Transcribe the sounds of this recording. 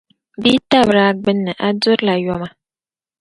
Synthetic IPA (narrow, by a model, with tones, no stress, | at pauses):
biː˦ta˦bɾa˦ɡ͡bɨ˦nːɨ˨ʔa˦dʊ˦ɾla˨jɔ˦ma˨